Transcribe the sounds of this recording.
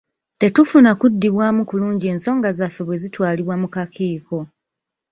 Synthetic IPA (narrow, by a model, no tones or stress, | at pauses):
te̞tufunakudːiβwaːmukuluːɲɟieːnso̞ːŋɡazafːe̞βwe̞zitwaːliβwamukakʰiːko̞